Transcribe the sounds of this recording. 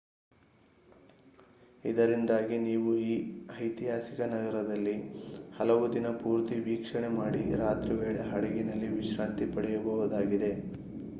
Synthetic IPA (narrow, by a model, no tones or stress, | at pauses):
id̪ɐɾind̪aːɡiniːʋuiːɐjt̪iɦaːsikɐnɐɡɐɾɐd̪ɐlːihɐlɐʋud̪inɐpuːɾt̪iʋiːkʂɐɳemaːɽiɾaːt̪ɾiʋeːɭɐɦɐɽeɡinɐlːiʋiʃɾaːnt̪ipɐɽɛjɐbɐʋud̪aːɡid̪e̞